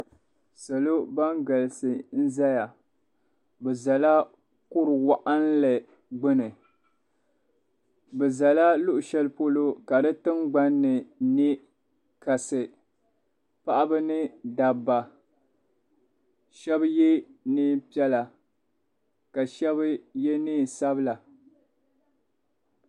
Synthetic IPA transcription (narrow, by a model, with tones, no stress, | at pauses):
sa˨lo˦ba˦ŋɡa˨lsɨ˨n̩˦za˦ja˨ | bɛ˨za˨la˦ | kʊ˦ɾɨ˨wa˦ʔa˦n˦lɨ˨ | ɡ͡bɨ˦nɨ˨ | bɨ˨za˨la˦lʊ˦ʔʊ˨ʃɛ˦lɨ˦po˦lo˦ka˨dɨ˦tɨ˦mɡ͡ba˦nːɨ˨ni˦ | ka˨sɨ˨ | pa˦ʔa˦bɨ˦nɨ˦da˨bːa˨ | ʃɛ˦bjɛ˦nɨ˦pi˦ɛ˦la˨ | ka˨ʃɛ˦βɨ˦jɛ˦nɨː˦˨sa˦bɨ˦la˨